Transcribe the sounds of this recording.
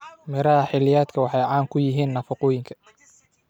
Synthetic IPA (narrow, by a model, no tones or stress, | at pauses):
mɪɾɐɦɐħɪlɪjaːd̪kʰɐwɑħɑjʕɑːŋkʰʊjɪɦiːnːɐfɑqʊːjɪŋkʰɐ̥